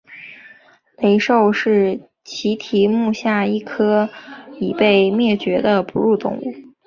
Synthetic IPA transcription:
le˧˥ɪʂo˥˧ʊʂɻ̩˥˩ | t͡ɕʰi˧˥t̪ʰi˧˥mu˥˧ɕja˥˩i˥˩kʰɤ˥i˨˩pe˥˧ɪmjɛ˥˩t͡ɕɥɛ˧˥d̪ə˧pu˧˥ɻu˥˧t̪ʊ̰˥˧ŋṵ˥˩

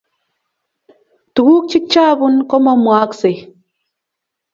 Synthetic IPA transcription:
tu˨ɡu˦k̚t͡ʃi˦k̚t͡ʃaː˦bu˦nkɔ˦mɔ˦mwa˨˦kse˨

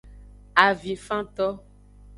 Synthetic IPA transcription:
a˨vi˨fã˦t̪ɔ˦

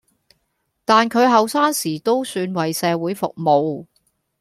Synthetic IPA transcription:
t̪aː˨nkʰɵ˨˧ɥɦɐ˨wsaː˥ŋsiː˨˩t̪o˥wsyː˧nwɐ˨jsɛː˨˧wuː˨˥jfʊ̰˨k̚mo˨˧w

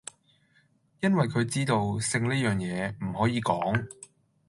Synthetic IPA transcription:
jɐ˥nwɐ˨jkʰɵ˨˧ɥt͡siː˥t̪o˧wsɪ˧ŋniː˥jœː˨ŋjɛː˨˧m̩˨˩hɔː˨˥jiː˨˧kɔː˨˥ŋ

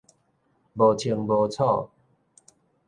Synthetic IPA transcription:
bo˨˧t͡ɕʰi˧əŋbo˨˧t͡sʰɔ˥˧˨

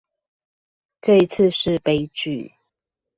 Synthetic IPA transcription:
ʈ͡ʂɤ˥˨i˥t͡s̩ʰ˥˧˨ʂɻ̩˥˨pe˦ɪt͡ɕy˥˨

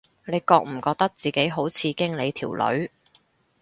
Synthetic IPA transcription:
ne˨˧jkɔː˧k̚m̩˨˩kɔː˧k̚t̪ɐ˥k̚t͡siː˨ke˨˥jɦo˨˥wt͡sʰiː˨˧kɪ˥ŋle˨˧jt̪ʰiː˨˩wlɵ̰˨˧˥ɥ

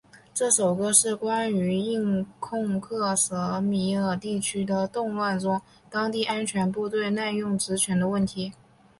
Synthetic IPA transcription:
ʈ͡ʂɤ˥˩ʂo˨˩ʊɡə˦ʂɻ̩˥˩kwa˥ny˧˥i˥˧ŋkʰʊ˥˧ŋkʰɤ˥˩ʂɤ˧˥mi˧˥ə˨˩t̪i˥˩t͡ɕʰy˥d̪ə˨t̪ʊ˥˧ŋwa˥˩nʈ͡ʂʊ˥ŋ | t̪ɑ˥ŋt̪i˥˩ʔa˥nt͡ɕʰɥɛ˧˥np̬u˥˧t̪we˥˧ɪna˥˧jʊ˥˩ŋʈ͡ʂɻ̩˧˥t͡ɕʰɥɛ˧˥nd̪ə˧wə˥˩nt̪ʰi˧˥

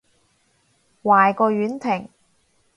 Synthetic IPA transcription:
waː˨jkɔː˧ɥyː˨˥nt̪ʰɪ˨˩ŋ

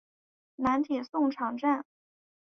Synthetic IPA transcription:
na˧˥nt̪ʰi˨˩sʊ˥˩ŋʈ͡ʂʰɑ˧˥ŋʈ͡ʂa˥˩n

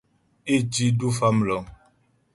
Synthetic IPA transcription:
e˦˨d͡ʒi˦du˦fa˦m˨lɔ˨ŋ

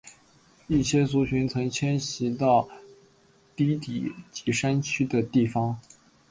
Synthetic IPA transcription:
i˥˩ɕjɛ˥su˧˥ɕʰy˧˥nt͡sʰɤ˧˥ŋt͡ɕʰjɛ˥nɕi˧˥t̪ɑ˥˩ʊ | t̪i˥t̪ḭ˨˩t͡ɕi˧˥ʂa˥nt͡ɕʰy˥d̪ə˨t̪i˥˩fɑ˧˥ŋ

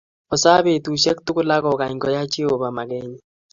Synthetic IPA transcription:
ɔ˨sa˦be˦˨tu˨ʃɛ˦k̚tʊ˦kʊ˦la˦ɡɔ˨ka˨ɲɡɔ˨ja˦t͡ʃi˦o˨ba˨ma˨ɡɛ˦ɲ˨

